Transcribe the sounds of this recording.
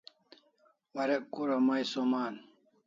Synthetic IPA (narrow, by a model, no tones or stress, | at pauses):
wɐɾekkːuɾɐmɐjsomaːn